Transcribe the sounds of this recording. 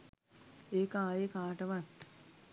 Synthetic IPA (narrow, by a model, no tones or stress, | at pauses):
eːkaːjekaːʈɐʋɐt̪